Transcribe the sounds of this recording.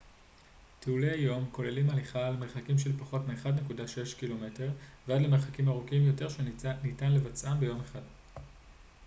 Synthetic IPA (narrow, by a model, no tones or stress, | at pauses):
tʰeuleajo̞mko̞le̞limaliχalemeʁχakimʃe̞lpaχo̞tmeːχadne̞kudaʃeʃkilo̞me̞te̞ʁveadlemeχakimaʁukimjo̞te̞ʁʃenitanle̞vat͡sʔambe̞jo̞meχad